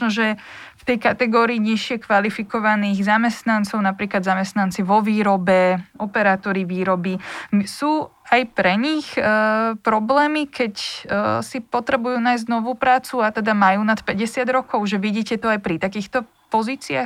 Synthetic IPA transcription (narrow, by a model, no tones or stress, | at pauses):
nɔʒɛft̪ɛjkat̪ɛɡɔːɾiːɲiʃɪɛkʋalifikɔʋaniːɣzamɛst̪nant͡sɔʊnapɾiːklad̪zamɛst̪nant͡siʋɔʋiːɾɔbɛɔpɛɾaːt̪ɔɾiʋiːɾɔbisuːajpɾɛɲixpɾɔblɛːmikʰɛcsipɔt̪ɾɛbujuːnaːjzɟnɔʋuːpɾaːt͡suat̪ɛd̪amajuːnat̪pɛɟɛsɪad̪ɾɔkɔʊʒɛʋiɟiːcɛt̪ɔajpɾit̪akiːxt̪ɔ | pɔziːt͡sia